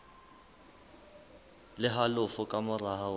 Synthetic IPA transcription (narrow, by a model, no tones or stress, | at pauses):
lɪɦalʊfʊkʼamʊra